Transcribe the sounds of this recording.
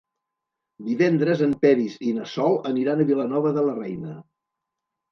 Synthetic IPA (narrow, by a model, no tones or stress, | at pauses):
d̪iβɛnd̪ɾəzəmpɛɾizinəsɔlˠəniɾanəβilənɔβəðələrɛjnə